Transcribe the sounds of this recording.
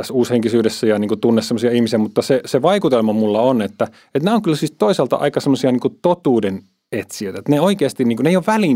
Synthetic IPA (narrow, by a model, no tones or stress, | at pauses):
æsuːsheŋkisyːdesːæjɑniːŋkut̪unːessemːˑosiɑihmisiæmut̪ːɑseseʋɑikut̪elmɑmulːɑonet̪ːæ | et̪næoŋkylsiːt̪oisɑlt̪ɑ̰ʔɑ̰ikɑsemːosiɑniːŋkut̪ot̪uːden | et̪siø̰ˑit̪æet̪neoikeɑst̪inniːŋkuneijoʋʋæliːn